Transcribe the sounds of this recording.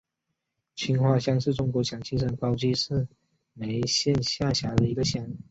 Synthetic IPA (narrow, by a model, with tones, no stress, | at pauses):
t͡ɕʰi˥nxwa˥˩ɕjɑ˥˧ŋʂɻ̩˥˩ʈ͡ʂʊ˥ŋkwɔ˧˥ɕjɑ˨˩ŋt͡ɕʰi˥ʂ̬ə˧˥nkɑ˥ʊt͡ɕi˥ʂɻ̩˥˩ | me˧˥ɪɕjɛ˥˧nɕja˥˩ɕja˧˥d̪ə˧i˧˥ɡə˧ɕjɑ˥ŋ